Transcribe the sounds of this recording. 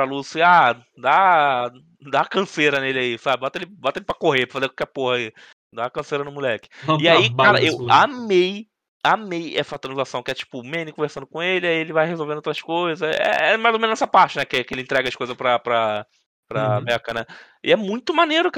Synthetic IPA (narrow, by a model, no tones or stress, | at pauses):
ɾalusia | d̪a | d̪akɐ̃seɾɐnelɪaisabɪbɔt̪ɐelɪbɔt̪ɐelɪpɾɐkoɦepɾɐfazekwawkɛpohɐi | d̪aːkɐ̃seɾɐnʊ̃mulɛkɪ̥ɪaikaɾɐʔewamej | amejɛsɐt̪ɾɐ̃zʒlasɐ̃w̃kɪɛt͡ʃi̥pʊmẽnɪkõveɾsɐ̃nd̪ʊkõelɪaielɪvajhezowvẽd̪ot̪ɾɐskojzɐɛ̰ɛmajzomẽnɛsɐpaɾt͡ʃɪnɛkɪkɪelɪẽt̪ɾɛɡɐʃkojzɐspɾɐpɾɐ | pɾɐbɛkɐnɛ | ɪ̰ɛmũj̃t̪ʊmaneɾʊk